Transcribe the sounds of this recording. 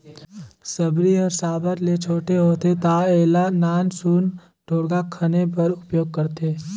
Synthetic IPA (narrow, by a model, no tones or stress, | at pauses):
sɐbɾiɔːɾsaːbəɾlet͡ʃʰoːʈeɦoːt̪et̪aːeːlanaːnsuːn | ɖʱoːɽɡakʰɐnepɐɾʊpjoːɡ̚kɐɾt̪eː